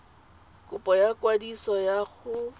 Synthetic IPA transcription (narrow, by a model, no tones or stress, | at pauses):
kʼʊpʼɔjakwadisɔjaɣʊ